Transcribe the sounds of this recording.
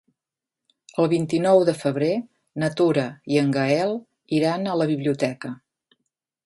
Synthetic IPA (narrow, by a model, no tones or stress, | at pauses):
əlˠβint̪inɔwðəfəβɾe | nət̪uɾəiəŋɡəɛlˠ | iɾanələβiβliut̪ɛkə